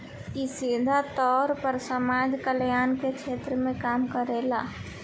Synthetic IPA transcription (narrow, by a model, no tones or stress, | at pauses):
kisid̪ʱat̪ɔːɾpəɾsəmaːd͡ʒkəljaːnket͡ʃʰeːt̪ɾəmẽkaːmkəɾeːlaː